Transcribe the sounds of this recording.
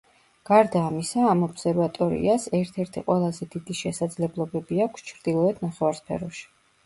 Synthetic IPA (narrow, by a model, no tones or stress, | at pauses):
ɡ̥aɾd̪aːmisaːmɔbsɛɾvat̪ʼɔɾḭasɛɾt̪ʰɛɾt̪ʰiqʼwɛlˠazɛd̪id̪iʃɛsad̪zlɛblˠɔbɛbiakʰst͡ʃʰɾd̪ilˠɔɛt̪ʰnaχɛvaɾspʰɛ̰ɾɔʃi̥